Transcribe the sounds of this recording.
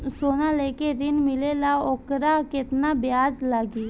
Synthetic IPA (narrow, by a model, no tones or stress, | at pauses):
sonalekeɾɪnmɪlelaokɾaket̪nabjaːzlaɡi